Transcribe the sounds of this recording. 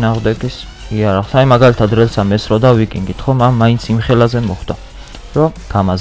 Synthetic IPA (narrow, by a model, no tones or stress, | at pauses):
naːʁmd̪ɛɡis | iaɾaχlsaimaɡalit̪ʰad̪ɾɛlsamɛsɾɔd̪awikʼiŋɡit̪ʰχɔmanmaint̪sʰimχɛlazɛmɔχd̪̥a | ɾɔ | ɡ̥amaz